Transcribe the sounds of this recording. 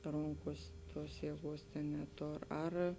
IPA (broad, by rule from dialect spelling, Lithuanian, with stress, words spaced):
ˈroːŋkuɔs ˈtuɔs jiɛˈɡuɔs tʲeːn nʲɛˈtoːr ˈɐr